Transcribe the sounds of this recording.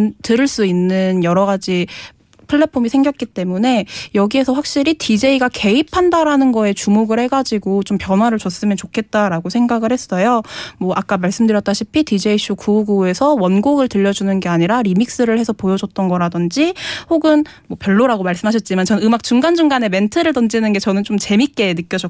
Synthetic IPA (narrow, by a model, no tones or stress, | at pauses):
ntɯɾɯɭs͈uinːɯnjʌɾʌɡad͡ʑi | pʰɯɭːe̞pʰomisʰe̞ŋɡjʌk͈̚it͈e̞mune̞jʌɡie̞sʰʌɸwak̚ɕ͈iɾitʰid͡ʑe̞iɡake̞ipʰandaɾanɯnɡʌe̞t͡ɕumoɡɯɭhe̞ɡad͡ʑiɡot͡ɕompjʌnɦwaɾɯɭt͡ɕʌs͈ɯmjʌnt͡ɕokʰe̞t̚t͈aɾaɡosʰe̞ŋɡaɡɯɭhes͈ʌjomwʌʔak͈amaɭs͈ɯmdɯɾjʌt͈aɕʰipʰitid͡ʑe̞iɕ͈ʰukuɡue̞sʰʌwʌnɡoɡɯɭtɯʎːʌd͡ʑunɯnɡe̞aɲiɾaɾimik̚s͈ɯɾɯɭhe̞sʰʌpojʌd͡ʑʌt͈̚ʌnɡʌɾadɯnd͡ʑihoɡɯn | mwʌpjʌɭːoɾaɡomaɭs͈ɯmɦaɕ̬ʰʌt̚t͡ɕ͈imant͡ɕʌnɯmak̚t͡ɕuŋɡand͡ʑuŋɡane̞me̞ntʰɯɾɯɭtʌnd͡ʑinɯnɡe̞t͡ɕʌnɯnt͡ɕomt͡ɕe̞mik͈e̞nɯk͈jʌd͡ʑʌ